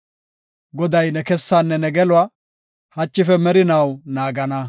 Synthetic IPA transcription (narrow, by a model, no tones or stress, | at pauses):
ɡɔd̪ɐjnɛkɛsːanːɛnɛɡɛlʊa | hɐt͡ʃːɪfɛmɛɾɪnɐwnaːɡɐnɐ